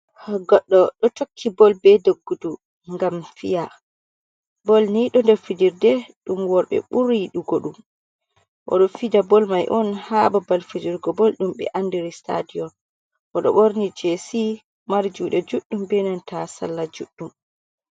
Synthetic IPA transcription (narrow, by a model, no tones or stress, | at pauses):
ɡɔɗːɔɗɔtokʰːibɔlbɛdoɡːudu | ŋɡamfija | bɔlniɗɔndɛɾfidiɾdɛɗumwɔɾɓɛ̰ɓuɾiɗuɡoɗum | ʔɔ̰ɗɔfidabɔlmajʔɔnhababalfid͡ʒiɾɡɔbɔlɗumɓɛ̰ʔandiɾistʰa̰dijɔn | ʔɔɗɔ̰ɓoɾnid͡ʒesi | maɾd͡ʒuɗɛd͡ʒuɗːumbɛnantʰasa̰lːad͡ʒuɗːum